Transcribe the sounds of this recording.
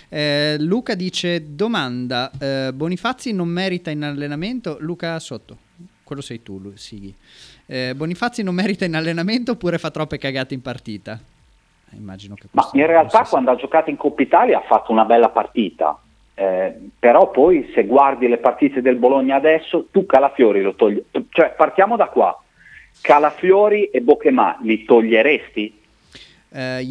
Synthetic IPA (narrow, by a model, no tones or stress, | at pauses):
ɛluːkad̪iːt͡ʃed̪omand̪abonifat̪sːinomːɛːɾit̪ainalːenament̪oluːkasot̪ːo | kwelːosɛjt̪ulusiːɡi | bonifat̪sːinomːɛːɾit̪ainalːenament̪oːpːuːɾefat̪ːɾɔpːekaɡaːt̪eimpart̪iːt̪a | ḭmːa̰ːd͡ʒinokema̰inrealt̪akwand̪oad͡ʒokaːt̪oiŋkopːit̪aːljaafːat̪ːounabɛlːapa̰rt̪iːt̪a̰ | peɾɔpːɔjseɡward̪ilepart̪iːt̪ed̪elboloɲːaːd̪ɛsːot̪ukalafjoːɾilot̪oʎːt͡ʃoɛpart̪jaːmod̪akːwa̰ | kalafjɔːɾiʔebokema̰lit̪oʎːeɾest̪i